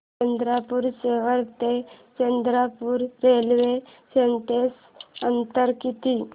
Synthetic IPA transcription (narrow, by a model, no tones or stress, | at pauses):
ənd̪ɾapuːɾseʋəɾt̪et͡ɕənd̪ɾapuɾɾelʋe | sent̪es | ənt̪əɾkit̪i